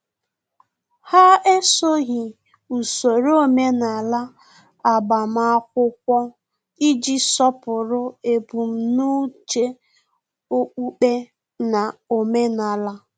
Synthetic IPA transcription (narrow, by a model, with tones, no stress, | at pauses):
ha˦e˦so˦ɣɪ˨ | u˨so˨ɾo˦me˦na˨la˦ | a˨ba˨m̩˨˦a˦k̚ʷʊ˦k̚ʷɔ˦ | i˦d͡ʒi˦sɔ˦pʊ˨ɾʊ˦e˨pu˨m̩˨nu˦t͡ʃe˦ | o˦k͡pu˦k͡pe˦ | na˨o˨me˦na˨la˦